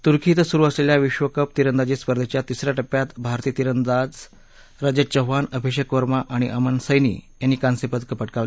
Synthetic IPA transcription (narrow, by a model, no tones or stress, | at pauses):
t̪uɾkʰiːt̪suɾuːəsleljaʋiɕʋəkəp̚t̪iɾənd̪ad͡ʑiːspəɾd̪ʱet͡ɕjat̪isɾjaʈəpːjat̪bʱaɾt̪iːt̪iɾənd̪ad͡z | ɾad͡ʑət͡ɕəɦanəbʱiɕ̬jəkʋəɾmaʔaɽ̃iʔəmənsəjnḭːjanːiːkansipət̪kəpəʈ̚kaʋ